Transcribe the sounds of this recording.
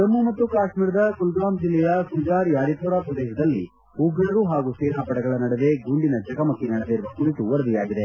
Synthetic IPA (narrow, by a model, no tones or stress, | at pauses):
ɐmːumɐt̪ːukaːʃmiːɾɐd̪ɐkulɡaːmd͡ʒilːɛjɐkud͡ʒaːɾjaːɾipɔːɾaːpɾɐd̪eːʃɐd̪ɐlːi | uɡʱɐɽɐɾuɦaːɡusiːɾaːpɐɽɐɡɐɭɐnɐɽeʋe̞ɡuɳɖinɐd͡ʒɐɡɐmɐkːinɐɽeʋeɾuɐkuɾit̪uʋɐɾɐd̪ijaːɡid̪e